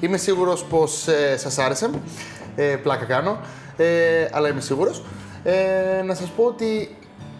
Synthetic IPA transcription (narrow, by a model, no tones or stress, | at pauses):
ime̞siɣuɾo̞spo̞sesɐsɐɾese̞m | eplɐkɐkɐno̞ | eɐ̰lɐime̞siɣuɾo̞s | enɐsɐspo̞ot̪i